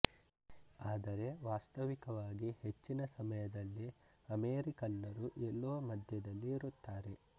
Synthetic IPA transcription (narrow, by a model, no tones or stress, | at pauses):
aːd̪ɐɾe̞ʋaːst̪ɐʋikɐʋaːɡihe̞t͡ʃːinɐsɐmɐjɐd̪ɐlːi | ɐmeːɾikɐnːɐɾuʔɛlːuʋɐmɐd̪ʱjɐd̪ɐlːiːɾut̪ːaːɾe̞